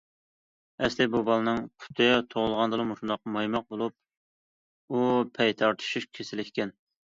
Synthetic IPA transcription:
ɛslɪbubɑlˠɨnɨŋqʰʊ̥t̪ʰɨt̪ʰoʁʊlˠʁɑnd̪ɨlˠɨmuʃund̪ɑqmɑjmɑq̚bolˠup̚ | upʰɛjt̪ʰɑɾt̪ʰu̥ʃuʃkʲʰesɪlɪkʲʰi̥kʲɛn

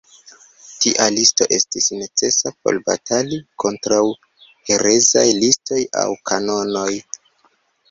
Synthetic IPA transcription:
tiʔalisto̞ʔe̞stisne̞t͡se̞sap̚o̞̰lba̰taliko̞ntɾaw | he̞ɾe̞zajlisto̞ja̰wkʰano̞no̞j

